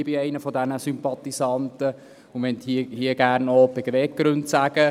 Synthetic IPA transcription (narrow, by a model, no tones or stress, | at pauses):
biɛɪnəfɔdænəsympɑt̪isɑnt̪ə | ʊmɛnt̪hiəhiəɡ̥æːrnopɛɡʋeːk̚ɡ̥ɾɵntsæːɡ̥ə